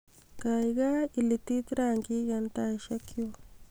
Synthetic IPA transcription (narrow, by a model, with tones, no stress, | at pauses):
ka˨jɡa˦i˨li˧t̪i˦t̪ɾa˦˨ŋɡi˦ɡa˧nt̪a˧jʃa˦kjo˧